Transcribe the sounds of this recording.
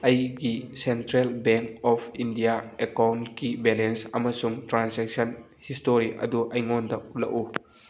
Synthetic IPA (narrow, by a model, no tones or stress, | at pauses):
ʔɐjɡisentɾelbɛŋkɔpʰindiaekawntkibɛlensɐmɐsuŋtɾansɛk̚sɐn | histoɾiʔɐ̰duʔɐjŋɔndɐʔ̚lɐ̰ʔu